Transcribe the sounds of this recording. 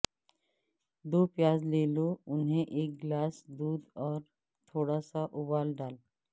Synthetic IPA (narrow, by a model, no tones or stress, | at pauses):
d̪oːpjaːzleːloʊnɦẽʔeːk̚ɡlaːsd̪uːd̪ɔːɾ | t̪ʰoːɽasaʔʊbaːlɖaːl